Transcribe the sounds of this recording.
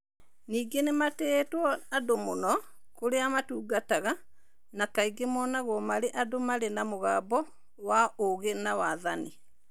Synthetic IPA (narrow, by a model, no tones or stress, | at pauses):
niːɡenematɛːtwɔadomonɔ | koɾeamatuːɡataɣa | nakaiɡemɔnaɣwɔmaɾeʔadomaɾenamoɣaːbɔ | waoɣenawaðani